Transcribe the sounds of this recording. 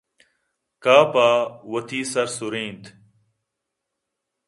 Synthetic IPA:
kaːpaːʋət̪ʰiːsəɾsʊɾĩːnt̪ʰ

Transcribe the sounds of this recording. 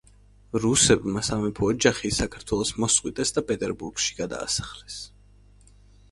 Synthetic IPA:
ɾusɛbmasamɛpʰɔːd͡ʒaχisakʰaɾt̪ʰwɛlˠɔsmɔsqʼwit̪ʼɛsd̪apʼɛt̪ʼɛɾbuɾɡʃi̥ɡad̪a̰ːsḁχlɛs

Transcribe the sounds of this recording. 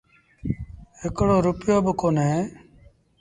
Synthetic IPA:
ekɽoːɾʊpɪjoːbɪkoːnɦeː

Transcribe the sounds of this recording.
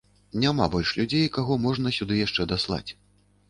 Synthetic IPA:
nʲama̰bɔlʲʂlʲud͡zʲejkaɣɔmɔʐn̪ɐsʲud̪ɨjaʂt͡ʂɛd̪aslˠa̰t͡sʲ

